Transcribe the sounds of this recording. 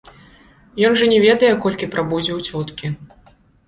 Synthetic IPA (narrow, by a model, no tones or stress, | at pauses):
jɔnʐɐnʲɛvʲɛd̪ɐjɛkɔlʲkʲipɾabud͡zʲɛwt͡sʲɔt̪kʲi